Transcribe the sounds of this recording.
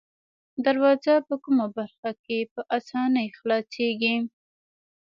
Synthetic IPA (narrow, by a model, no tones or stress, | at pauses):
d̪aɾwɑzapəkumabaɾxakepəʔasɑnəjxlɑseɡi